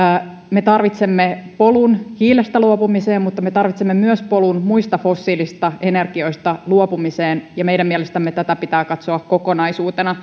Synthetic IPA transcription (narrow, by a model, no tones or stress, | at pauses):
met̪ɑrʋit̪semːepo̞lunhiːlest̪æluopumiseːmmut̪ːɑme̞t̪ɑrʋit̪semːemyøspolunmuist̪ɑfo̞sːiːlist̪ɑe̞ne̞rɡio̞ist̪ɑluopumiseːnjɑmejɾæmiɛlest̪æmːet̪æt̪æpit̪æːkɑt̪soɑkko̞ko̞nɑisuːt̪enɑ